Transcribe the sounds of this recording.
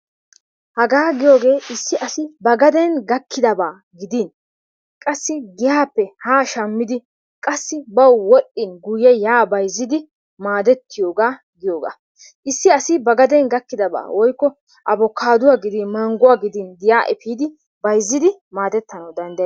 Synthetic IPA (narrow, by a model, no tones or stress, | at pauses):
hɐɡaːɡɪjo̞ːɡe̞ːʔɪsːɪʔɐsɪbɐɡɐd̪ɛnɡɐkʰːɪd̪ɐbaː | ɡɪd̪in | kʼɐsːɪɡɪjaːpːɛhaːʃɐmːɪd̪ɪ | kʼɐsːɪbɐwwɔɗɪnɡʊjːɛjaːbɐjzːɪd̪ɪ | maːd̪ɛt̪ːɪjoːɡaː | ɡɪjoːɡa̰ː | ʔɪsːɪɐsɪbɐɡɐd̪ɛnɡɐkːɪd̪ɐba̰ːwɔjkːɔ | ʔɐbɔkʰːaːd̪ʊwaːɡɪd̪ɪnmɐŋɡʊwaːɡɪd̪inɡɪjaːʔɛfiːd̪ɪ | bɐjzːɪd̪ɪmaːd̪ɛt̪ːɐnɐwd̪ɐnd̪ɐj